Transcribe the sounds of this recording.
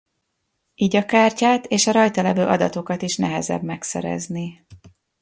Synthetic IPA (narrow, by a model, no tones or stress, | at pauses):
iːɟɒkaːrcaːt̪eːʃɒɾɒjt̪ɒlɛvøːʔɒd̪ɒt̪o̞kɒt̪iʃnɛɦɛzɛ̰bmɛksɛ̰ɾɛ̰zni